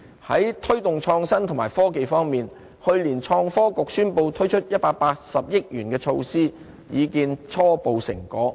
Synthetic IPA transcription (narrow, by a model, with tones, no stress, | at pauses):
hɐ˨˥jt̪ʰɵ˥ɥt̪ʊ˨ŋt͡ʃʰɔː˧ŋsɐ˥nt̪ʰʊ˨˩ŋmaː˨˩jfɔː˥ke˨jfɔː˥ŋmiː˨n | hɵ˧ɥliː˨˩nt͡ʃʰɔː˧ŋfɔː˥kʊ˨k̚syː˥npo˧wt̪ʰɵ˥ɥt͡ʃʰɵ˥t̚jɐ˥t̚paː˧k̚paː˧k̚sɐ˨p̚jɪ˥k̚jyː˨˩nkɛː˧t͡ʃʰo˧wsiː˥ | jiː˨˧kiː˧nt͡ʃʰɔː˥po˨˧wsɪ̰˨˩ŋkɔː˨˥